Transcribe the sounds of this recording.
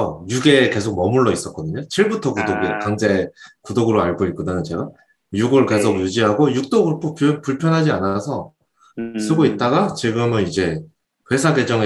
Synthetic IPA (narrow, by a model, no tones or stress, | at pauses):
ʌjuɡe̞ːke̞sʰok̚mʌmuɭːʌis͈ʌt̚k͈ʌdɯɲot͡ɕʰiɭbutʰʌkudoɡekaŋd͡ʑekudoɡɯɾoaɭɡoik͈odanɯnt͡ɕe̞ɡa | juɡɯɭke̞sʰokjud͡ʑiɦaɡojuk̚t͈oɡɯɭpʰoppuɭpʰjʌnɦad͡ʑianasʰʌ | sʰɯɡoit̚t͈aɡat͡ɕiɡɯmɯnid͡ʑe̞ | kwe̞sʰaɡe̞d͡ʑʌŋe